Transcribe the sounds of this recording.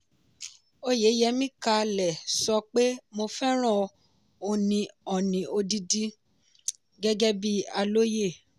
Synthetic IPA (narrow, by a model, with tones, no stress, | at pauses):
o˦je˨˦jɛ˧mĩ˦ka˧lɛ˨sɔ˧k͡pe˦mo˧fɛ˦ɾ̃ã˦˨ | o˧nĩ˧ɔ˨nĩ˨˦ʔo˧di˦di˦ | ɡɛ˦ɡɛ˦bi˦a˧lo˦je˦˨